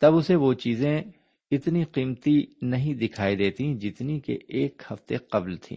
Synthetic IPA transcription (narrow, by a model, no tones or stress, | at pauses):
t̪ɐbʊseʋot͡ʃiːzẽ | ɪt̪niqiːmt̪inɐɦĩd̪ɪkʰaːid̪eːt̪ĩd͡ʒɪt̪nikḛʔeːkhɐft̪eqɐblt̪ʰḭ̃ː